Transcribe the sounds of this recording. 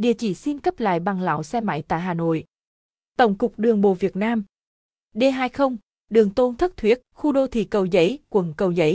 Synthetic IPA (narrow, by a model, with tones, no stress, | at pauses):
ɗḭ˧˨ət͡ɕi˧˩˦si˧nkə˦˥p̚la̰ː˧˨jɓa˨˩ŋla̰ː˧˨wsɛ˧ma̰˧˩jt̪a̰ː˧˨jɦaː˨˩no̰˧˨j | t̪ə˧˩wŋ͡mkʊ˨˩k͡p̚ɗɨ˨˩əŋɓo̰˧˨vi˨˩ət̚naː˧m | ɗe˧ɦaː˧jxə˧wŋ͡m | ɗɨ˨˩əŋt̪o˧nt̪ʰə˦˥t̚t̪ʰwi˦˥ət̚xu˧ɗo˧t̪ʰḭ˧˨˩kə˨˩wzə̰˧˦jkwə˨˩nkə˨˩wzə̰˧˦j